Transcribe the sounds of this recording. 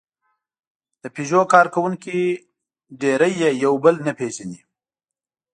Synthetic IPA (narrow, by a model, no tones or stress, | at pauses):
d̪̥əpiʒokɑɾkawuŋki | ɖeɾəjːejawbəlnəpeʒani